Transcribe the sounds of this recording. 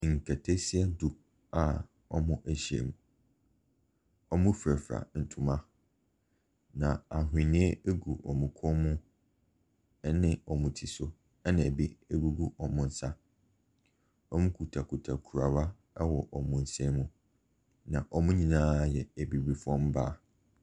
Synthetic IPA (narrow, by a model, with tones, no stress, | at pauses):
ŋ̩˨kʰɛ˨tʰe˦si˦ɛ˦du˨ | a˨ | ɔ̰˦mʊ̃˦ʔæ˦ɕi˨ḛ˨mũ˨ | ɔ˦mʊ̃˦fɾæ˨fɾa̰˨n̩˨tʰʊ̃˨mã˦ | nã˨a˨ɦɪ˨nĩ˦e˦e˦ɡu˨ʔɔ̰˨mũ˨kʰɔ˦mʊ̃˦ | nɪ̃˦ɔ˨mʊ̃˨tʰi˨sʊ˦ | ɛ˦nã˨bi˦e˦ɡu˦ɡu˦ʔɔ˨mʊ̃˦n̩˦sa˦ | ɔ˦mʊ̃˦kʰu˨tʰa˨kʰu˨tʰa˨kʰu˨ɾa˨wa˦ | wɔ˨ʔɔ˨mʊ̃˨n̩˨sɛ˦mũ˦ | nã˨ʔɔ˨mʊ̃˦ɲĩ˨nãː˦˨jɛ˨e˨bi˨bi˨fɔ̃˦m˦ba˦